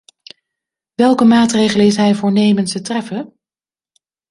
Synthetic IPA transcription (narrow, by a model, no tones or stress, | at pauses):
ʋɛlˠkəmaːtrejχələɪsɦɛjvʊːɹnejməntsətrɛfə